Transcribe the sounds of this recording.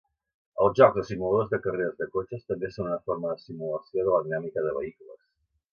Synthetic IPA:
əlˠzʒɔɡzðəsimulaðozðəkəreɾəzðəkot͡ʃəst̪əmbesonunəfoɾməðəsimuləsioðələðinamikəðəβəikulə̰s

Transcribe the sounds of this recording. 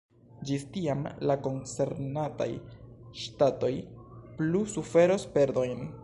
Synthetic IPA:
d͡ʒistiamlako̞nt͡se̞ɾnata̰j | ʃtato̞jplusufe̞ɾospe̞ɾdo̞jn

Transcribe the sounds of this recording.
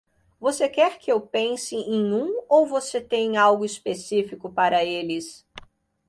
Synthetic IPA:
vosekɛɾkɪewpẽsɪ̃ẽjũowvoset̪ẽɲawɡʊispesifikʊpaɾɐelɪs

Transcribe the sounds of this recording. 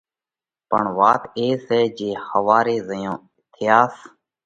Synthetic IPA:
pə̰ɳʋaːt̪eːseːd͡ʒeːhəʋaːɾeːzəjõː | t̪ʰɪjaːs

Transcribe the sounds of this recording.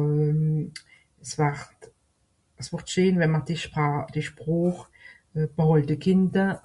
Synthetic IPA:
əsvaʁt | əsvʊʁtʃøːnvɛnmɐdid̥iʃpʁoːχ | b̥əhɔltəkʰɪndɐ

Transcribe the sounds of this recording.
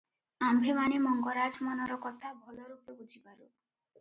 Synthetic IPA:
ambʱimanemɔŋɡɔɾad͡ʒmɔnɔɾɔkɔt̪ʰabʱɔlɔɾupebud͡ʒʱibaɾu

